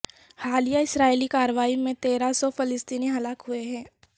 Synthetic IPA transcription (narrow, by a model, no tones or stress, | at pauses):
haːlijaɪsɾaːelikaːɾəʋaːimẽt̪eːɾasɔfɪlɪst̪iːniɦɐlaːkɦʊeɦɛ̃ː